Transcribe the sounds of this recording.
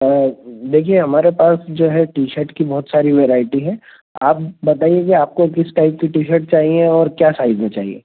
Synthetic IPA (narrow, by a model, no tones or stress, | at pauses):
d̪eːkʰieɦɐmaːɾepaːsd͡ʒoːɦɛʈiːʃəɾʈkibɔɦʊt̪saːɾiʋeːɾaːɪʈiɦɛ̃ː | aːp̚bɐt̪aːieɡeaːp̚kokɪsʈaɪp̚kiʈiːʃəɾʈt͡ʃaːɦieɔːɾkjaːsaːɪzmẽt͡ʃaːɦḭḛː